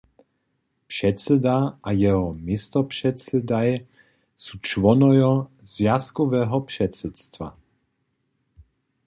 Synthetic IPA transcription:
pʂɛt̪sɛd̪aʔajɛɦɔmist̪ɔpʂɛt̪sɛd̪aj | sut͡ʃvɔnɔjɔ | zvjaskɔvɛːɦɔpʂɛt̪sɛt̪st̪va̰

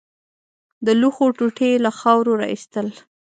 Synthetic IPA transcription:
d̪əluxoʈuʈelaxɑwɾoɾɑ̰ḭst̪əl

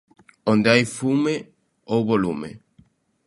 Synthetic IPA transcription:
õnd̪eajfume | owβolumḛ

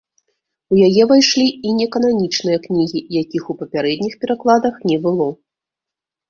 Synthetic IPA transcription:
ujajɛvajʂlʲiinʲɛkɐn̪anʲit͡ʂnɨjɐknʲiɣʲijakʲixupɐpʲaɾɛd̪ʲnʲixpʲɛɾaklˠad̪ɐxnʲɛbɨlˠɔ

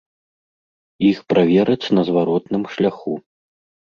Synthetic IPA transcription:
ixpɾavʲɛɾɐt͡sʲnɐzvaɾɔt̪nɨmʂlʲaxu

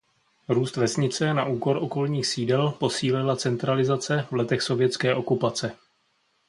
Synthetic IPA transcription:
ɾuːst̪vɛsɲɪt͡sɛnaʔuːko̞ɾʔoko̞lɲiːxsiːdɛlpo̞siːlɪlat͡sɛnt̪ɾalɪzat͡sɛvlɛt̪ɛxso̞vjɛt͡skɛːʔo̞kupat͡sɛ

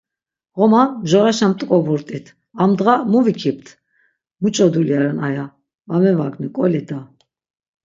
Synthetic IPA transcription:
ɣɔmanʒɔɾaʃamt̪ʼkʼɔbuɾt̪ʼit̪ʰ | amd̪ʁamuvikʰip̚t̪ʰ | mut͡ʃʼɔd̪uljaɾɛnaja | vamɛvaknikʼɔlid̪a

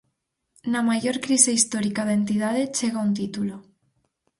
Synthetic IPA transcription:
namajoɾkɾiseist̪oɾikaðaent̪ið̞aðet͡ʃeɣaunt̪it̪ulo

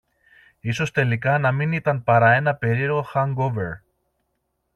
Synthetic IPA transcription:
iso̞st̪e̞likɐnɐminit̪ɐnpɐɾɐe̞nɐpe̞ɾieɾɣo̞xɐŋɡoveɾ

